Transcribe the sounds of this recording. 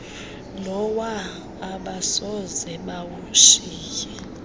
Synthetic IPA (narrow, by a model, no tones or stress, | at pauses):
lɔwaː | ɓasɔzɛɓawuʃiːkɛ